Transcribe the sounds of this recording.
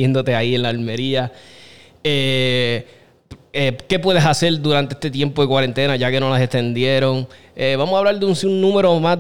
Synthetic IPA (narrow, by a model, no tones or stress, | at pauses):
jend̪o̞t̪e̞aienlaːlme̞ɾia | e | eke̞pwe̞ðesase̞ɾd̪uɾant̪e̞est̪et̪̬je̞mpoðekwaɾe̞nt̪e̞naʝake̞no̞lasest̪e̞nd̪je̞ɾo̞ŋ | eβamosaβlaɾd̪eunsiunnũme̞ɾo̞ma